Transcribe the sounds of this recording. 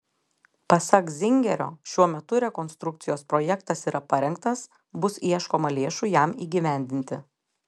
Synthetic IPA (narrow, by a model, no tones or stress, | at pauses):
pɐsɐkzʲɪŋʲɡʲɛɾʲo̰ːʃʲuɔmʲɛt̪ʊɾʲɛkɔːnst̪ɾʊk̚t̪sʲɪjoːspɾoːjɛkt̪ɐsiːɾɐpɐɾʲɛŋkt̪ɐs | bʊsiɛʃkoːmɐlʲeːʃʊjæmiːɡʲɪʋʲæˑnʲd̪ʲɪnʲt̪ʲɪ